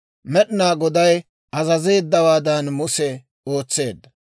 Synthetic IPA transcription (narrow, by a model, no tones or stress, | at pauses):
mɛɗnaːɡɔd̪ɐj | ɐzɐze̞ːd̪ːɐwaːd̪ɐnmʊsɛ | o̞ːt͡sːe̞ːd̪ːɐ